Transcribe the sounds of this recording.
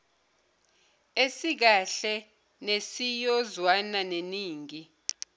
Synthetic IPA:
esik̬aɬɛ | nesijɔzwananeniːŋi

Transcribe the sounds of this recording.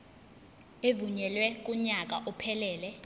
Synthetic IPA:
evuɲɛlwɛk̬ʼuɲak̬ʼa̰ʔupʰɛlɛːlɛ

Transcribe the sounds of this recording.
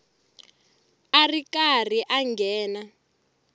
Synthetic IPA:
arikar̤iʔaŋɡɛːna

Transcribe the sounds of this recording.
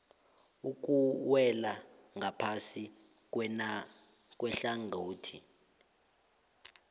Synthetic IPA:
uk̬ʼuwɛla | ŋʱapʰasi | k̬ʼwɛɬaŋʱoːtʰi

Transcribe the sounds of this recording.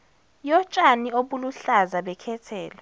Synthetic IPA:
jɔt͡ʃʼanioɓuluɬazaɓɛkʰɛtʰɛːla

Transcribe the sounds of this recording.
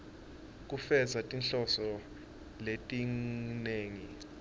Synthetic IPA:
k̬ʼufɛzatʼinɬɔsɔ | letʼineːŋi

